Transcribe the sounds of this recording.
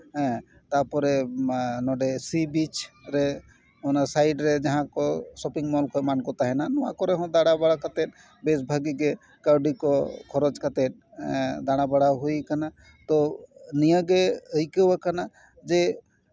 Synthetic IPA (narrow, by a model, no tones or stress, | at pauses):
ɦɛ̃ | t̪apɔɾɛnɔɖesibit͡ʃɾe | onasajɖɾed͡ʒaɦãkɔsɔpiŋmɔlkɔmankɔt̪aɦɛnanɔwakɔɾeɦɔ̃d̪aɽabaɽakət̪eʈ̚ | besbʱəɡiɡe | kəɾɖikɔkʰɔɾɔt͡ʃkat̪eʈ̚ | d̪aɽabəɽaɦujkana | t̪ɔnijəɡeəjkewakana | d͡ʒe